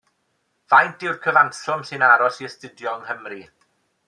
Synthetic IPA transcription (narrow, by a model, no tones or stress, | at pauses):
v̥ajnd̥ɪwrkʰəvansɔmsɪnaɾɔsiəstɪdjɔŋɦəmri